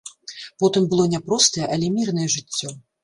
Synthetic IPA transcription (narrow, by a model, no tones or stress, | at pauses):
pɔt̪ɨmbɨlˠɔnʲɛpɾɔst̪ɐjɛʔɐlʲɛmʲirnɐjɛʐɨt͡sʲːɔ